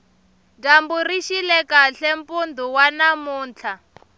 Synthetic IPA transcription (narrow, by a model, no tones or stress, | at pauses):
damburiʃilɛkaɬɛmpund̪ʱuwanamuːnt͡ɬʰa